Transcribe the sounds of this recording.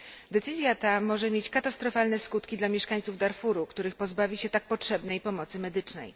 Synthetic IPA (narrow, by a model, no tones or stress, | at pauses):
d̪ɛt̪sɘzʲjat̪amɔʐɛmʲjet͡ɕkat̪ast̪ɾɔfalnɛskut̪kʲid̪lamʲjɛʂkaɲt̪suvd̪aɾfuɾukt̪uɾɘxpɔzbavʲiɕɛt̪ak̚pɔtʂɛbnɛjpɔmɔt̪sɘmɛd̪ɘt͡ʂnɛ̰j